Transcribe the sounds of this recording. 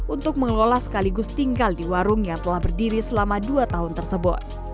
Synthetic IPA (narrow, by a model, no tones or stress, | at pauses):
ʔunt̪ʊk̚məŋlolahsə̥kaliɡʊst̪iŋɡaldiwaɾʊŋjaŋt̪əlahbərdiɾisəlamaduat̪aɦʊnt̪ərsəbʊ̰t̪̚